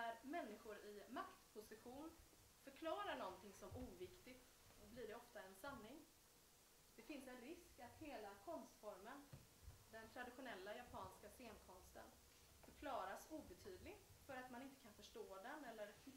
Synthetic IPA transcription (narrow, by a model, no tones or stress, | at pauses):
næɾmɛnːɪɧʊɾɪmakt̪pʰʊsɪɧuːn | fœɾkʰlɑːɾaɳɔnt̪ʰɪŋsɔmuːvɪkt̪ɪt̪ | ɔblɪɖɛɔft̪aɛnsanːɪŋ | d̪̥ɛfɪnsɛnɾɪskat̪heːlakʰɔnst̪fɔɾmən | d̪ɛnt̪ʰɾad̪ɪɧʊnɛlːajapʰɑːnskaseːnkʰɔmst̪ə̰n | fœɾkʰlɑːɾasuːbɛt̪ʰyːd̪lɪɡ̪ | fœɾat̪manɪnt̪əkʰanfœʂʈoːd̪ɛnɛlːəɾ